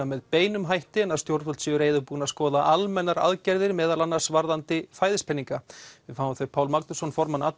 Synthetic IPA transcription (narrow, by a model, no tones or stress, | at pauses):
amɛðpeːjnʏmɦajht̪ɪnaðst̪jowɾt̪fɔlt̪siʏɾeːjðʏpuːnaðskɔːðaʔalmɛnːaɾa̰ðcɛɾðɪɾmɛːðalanːaɾ̥svaɾðant̪ɪfaːjðɪspʰɛniŋkavɪðfaːwvamθejpʰaːwlmaknʏsɔnfɔɾmanat̪